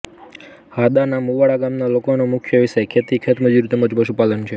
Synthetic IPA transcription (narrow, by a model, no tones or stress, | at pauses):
had̪anamuʋaɽaɡamnalokonomʊkʰjəʋisekʰːet̪ikʰet̪məd͡ʒuɾit̪eməd͡ʒpəʃupalənt͡ʃʰe